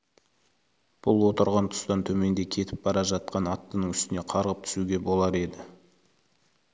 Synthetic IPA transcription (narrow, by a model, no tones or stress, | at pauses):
b̥ʊlˠwo̞t̪əɾʁɑnt̪ʰʊ̥st̪ɑnt̪ʰɵme̞nd̪e̞kʲʰe̞t̪ɪp̚bɑɾɑʒɑt̪̚qɑnɑt̪ːənəŋʏst̪ɪne̞qʰɑɾʁəp̚t̪ʰʏ̥suɡʲe̞bo̞lˠɑɾe̞d̪ɪ